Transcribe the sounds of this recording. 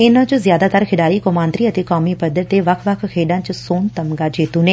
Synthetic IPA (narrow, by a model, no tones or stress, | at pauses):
ɪnãːt͡ʃozjaːd̪aːt̪əɾkʰɪɖaːiːkomãːnt̪ɾiːət̪eːkɔːmiːpəd̪əɾt̪eːʋəkʰʋəkʰkʰeːɖãːt͡ʃsoːnt̪əmɡaːd͡ʒeːt̪uːneː